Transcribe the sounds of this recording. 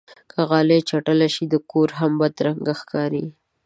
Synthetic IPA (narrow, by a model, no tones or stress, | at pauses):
kʰaɣɑlet͡ʃaʈəlaʃid̪əkoɾɦambad̪ɾaŋɡaxkʰɑɾi